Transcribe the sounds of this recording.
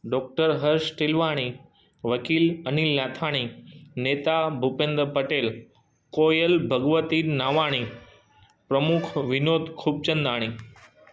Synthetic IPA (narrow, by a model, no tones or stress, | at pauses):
ɖɔːk̚ʈəɾɦɐɾʃʈɪlʋaːɽ̃i | ʋɐkiːlɐniːlːaːt̪ʰaːɽ̃ineːt̪abʱupẽːnd̪ɾpɐʈeːl | koːjəlbʱɐɡʋət̪inaːʋaːɽ̃i | pɾɐmʊkʰʋɪnoːd̪kʰuːb̚t͡ɕə̃nd̪aːɽ̃iː